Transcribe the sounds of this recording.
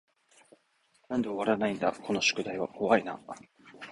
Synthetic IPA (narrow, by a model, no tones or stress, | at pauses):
nãnd̪eoβaɾanaĩnd̪a̰kʰo̞no̞ɕo̥kɯ̟d̪aiβa̰ʔo̞βaina̰